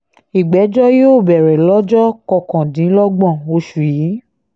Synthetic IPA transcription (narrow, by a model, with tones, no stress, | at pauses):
i˨ɡ͡bɛ˨˦d͡ʒɔ˦jo˦˨bɛ˨ɾɛ˨lɔ˦d͡ʒɔ˦kɔ˧kã˨dĩ˨˦lɔ˦ɡ͡bɔ̃˦˨o˧ʃu˨i˨˦